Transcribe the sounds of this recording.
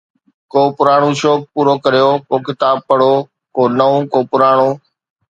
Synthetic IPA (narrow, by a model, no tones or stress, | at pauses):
koːpʊɾaːɽ̃ũːʃoːpːuːɾoːkɐɾijoːkoːkɪt̪aːb̚pəɽoː | koːnəũːkoːpʊɾaːɳ̃ũː